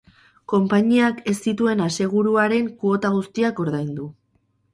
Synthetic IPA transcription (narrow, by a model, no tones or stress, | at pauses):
ko̞mpaɲiake̞st̪it̪ue̞nase̞ɣ̞uɾuaɾe̞ŋkuo̞t̪aɣ̞ust̪iako̞ɾðajnd̪u